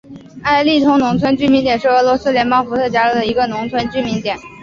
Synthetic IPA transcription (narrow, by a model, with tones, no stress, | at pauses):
a˥˧ɪli˥˩t̪ʰʊ˧˥ŋnʊ˧˥ŋt͡sʰwə˥nt͡ɕy˥mi˧˥nt̪jɛ˨˩nʂɻ̩˥˩ɤ˧˥lwɔ˧˥sɹ̩˥ljɛ˧˥npɑ˥ʊfu˧˥t̪ʰɤ˥˩t͡ɕja˥ɻɤ˥˩d̪ə˩i˧˥ɡə˧nʊ˧˥ŋt͡sʰwə˥nt͡ɕy˥mi˧˥ŋt̪jɛ˨˩˦n